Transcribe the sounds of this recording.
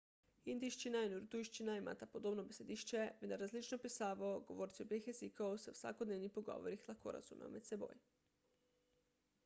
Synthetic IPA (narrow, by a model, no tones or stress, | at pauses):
ind̪iʃt͡ʃinainuɾt̪ujʃt͡ʃinaima̰t̪apod̪obnobese̞d̪iʃt͡ʃemed̪aɾazlit͡ʃnopisaːʋaoɡo̞ʋoːɾt̪sibexezikaoseusa̰kod̪neʋnipoɡo̰ʋoɾixlˠako̰ɾa̰zṵma̰met̪sebo̰ːj